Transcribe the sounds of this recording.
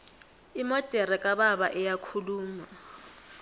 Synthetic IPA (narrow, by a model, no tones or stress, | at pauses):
imɔd̥ʼʱɛɾɛkʼaβaβaʔɛjakʰuluːma